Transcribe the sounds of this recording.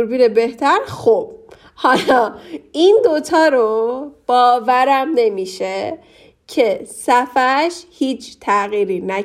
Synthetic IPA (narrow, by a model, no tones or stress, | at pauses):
ɾbiːnebe̞ht̪ʰæɾxob̥̚ | hɒlɒːind̪ot̪ʰɒːɾob̥ɒːvæɾæmne̞miːʃe | cʰe̞sæfæʃhiːt͡ʃʰt̪ʰæɣiːɾiːnæ